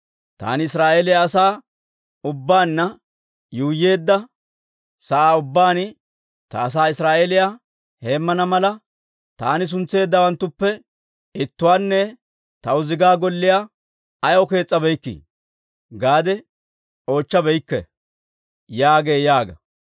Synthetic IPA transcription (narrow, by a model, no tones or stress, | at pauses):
t̪a̰ːnɪɪsɾaːʔeːlɪjaːsaː | ʊbːaːnːɐ | juːje̞ːd̪ːɐ | sɐʔaːʊbːaːnɪ | t̪ɐːs̬aːɪsɾaːʔelɪja | he̞ːmːɐnɐmɐlɐ | t̪aːnɪs̬ʊnt͡sːe̞ːd̪ːɐwɐnt̪ːʊpːɛ | ɪt̪ːʊwaːnːɛ | t̪ɐʊzɪɡaːɡɔlːɪja | ɐjɔke̞ːt͡sʼːɐbɛjkːḭ | ɡaːd̪ɛ | o̞ːt͡ʃːɐbɛjkːɛ̰ | jaːɡe̞ːjaːɡɐ̰